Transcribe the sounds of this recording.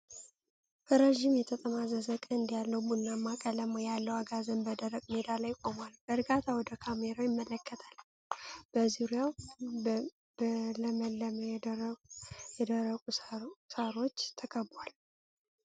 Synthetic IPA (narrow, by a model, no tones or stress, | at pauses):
bʰəɾeʒimjɛt̪ʰət̪ʼəmazəzəkʼənɨnd̪ijalːəwbunːamːakʼələmjalːəwaɡazənbəd̪əɾːəkʼmed̪alajkʷʼo̞malb̥əɾɡat̪ʰawɔd̪əkʰameɾajɪmːələkːət̪ʰal | b̥əzuɾijaw | bələmələmj | jɛd̪əɾəkʼusəɾo̞t͡ʃːt̪ʰəkʼəbal